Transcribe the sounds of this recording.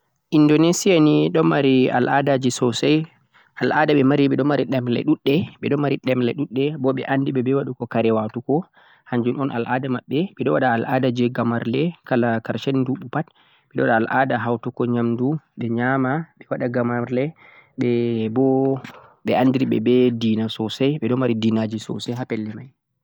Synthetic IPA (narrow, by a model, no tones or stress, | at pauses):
ʔindonesijaniɗɔmaɾia̰lʔadad͡ʒisɔsaj | ʔalʔadaɓɛmaɾiɓɛɗɔmaɾiɗɛmlɛ̰ɗuɗːɛɓɛɗɔmaɾiɗɛmlɛ̰ɗuɗːɛbɔɓɛ̰ʔandiɓɛbɛwaɗukɔkaɾɛwatukɔ | haɲd͡ʒunɔnʔa̰lʔadamaɓːɛɓɛɗɔwaɗaːladad͡ʒɛɡamaɾlɛkalakaɾʃɛnduɓupat | ɓɛɗɔwaɗaalʔadaɦawtukɔɲamduɓɛɲamaɓɛwaɗaɡamaɾlɛɓɛbɔ | ɓɛʔandiɾiɓɛ̰bɛdiːnasɔsajɓɛɗɔnmaɾidinad͡ʒisɔ̰sɛjɦapɛlːɛmaj